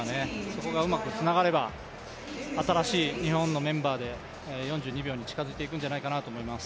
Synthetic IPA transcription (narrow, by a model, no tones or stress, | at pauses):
ne̞so̞ko̞ɡaɯ̟makɯ̟t͡sɨnaɡaɾe̞ba | at̪aɾaɕiːɲ̟ihõ̞nːo̞mẽ̞mbaːd̪e̞ | jõ̞ɲ̟d͡ʑɨːɲ̟ibʲjo̞ːɲ̟it͡ɕi̥kazɨit̪eik̬ɯ̟̃n̟d͡ʑanaikanat̪oːmo̞imasɨ̥